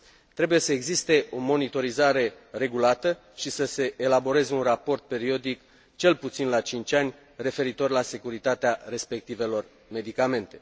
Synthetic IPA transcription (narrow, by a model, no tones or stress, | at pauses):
t̪ɾe̞buje̞səe̞ɡzist̪e̞o̞mo̞nit̪o̞ɾizaɾe̞ | re̞ɡulat̪ə | ʃisəse̞ʔelabo̞ɾe̞zeunrapo̞rt̪̚pe̞ɾio̞d̪ik | t͡ʃe̞lput̪sinlat͡ʃint͡ʃʲanʲ | re̞fe̞ɾit̪o̞rʲlase̞kuɾit̪at̪eare̞spek̚t̪ive̞lo̞r | me̞d̪ikame̞nt̪e̞